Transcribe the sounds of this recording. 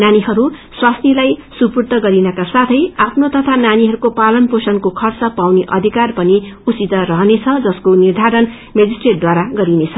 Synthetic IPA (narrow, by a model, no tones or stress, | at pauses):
naniɦʌɾuswast̪ilajsupurt̪ʌɡʌɾinʌkasat̪ʰʌjapʰnot̪ʌt̪ʰananiɦʌɾukopalʌnposʌnkokʰʌrt͡sʌpawneʔʌ̰d̪ʱikarpʌniut͡sit̪ʌɾʌɦnet͡sʰʌd͡zʌskonird̪ʱaɾʌn | med͡zisʈreʈ̚d̪waɾaɡʌɾinet͡sʰʌ